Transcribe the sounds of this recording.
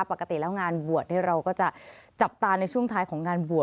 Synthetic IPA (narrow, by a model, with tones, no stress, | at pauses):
pa˨˩kːa˧t̪i˨˩lɛː˦˥wŋaː˧nbu˨˩ət̪̚nʰiː˥˩ɾa˧wkɔː˥˩t͡ɕa˨˩ʔt͡ɕa˨˩p̚t̪aː˧na˧jt͡ɕʰu˥˩əŋt̪ʰaː˧˥jkʰɔː˩˦ŋːaː˧nbu˨˩ə